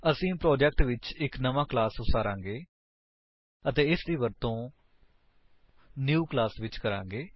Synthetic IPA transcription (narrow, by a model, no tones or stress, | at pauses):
əsĩːpɾoːd͡ʒɛk̚ʈʋɪt͡ʃɪknəʋãːklaːsʊsaːɾãːŋɡeː | ət̪eːɪsd̪iːʋəɾt̪õː | njuːklaːsʋɪt͡ʃkəɾãːŋɡeː